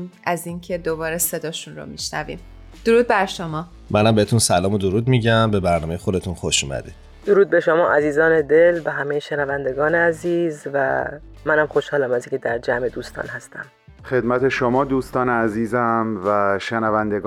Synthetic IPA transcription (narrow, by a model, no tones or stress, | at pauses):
mʔæziːncʰe̞d̪obɒːɾese̞d̪ɒːʃunɾo̰miʃnæ̰vḭːm | d̪̥oɾuːd̪̚bæɾʃo̞mɒː | mʔænæmbeet̪ʰunsælɒːmod̪oɾuːd̪miɟæmbe̞bæɾnɒːmejexod̪et̪ʰunxoʃuːmæ̰d̪ḭ | d̪̥oɾuːd̪̚be̞ʃomɒːʔæziːzɒːned̪elbeɦæmejeʃenævænd̪e̞ɡɒːneæziːzvæ̰ | mænæmxoʃhɒːlæmæziŋkʲʰed̪æɾd͡ʒæme̞d̪uːst̪ɒ̰ːnhæst̪ʰæ̰m | xe̞d̪mæt̪ʰe̞ʃomɒːd̪uːst̪ɒːneæziːzæmvæʃenævænd̪eɡ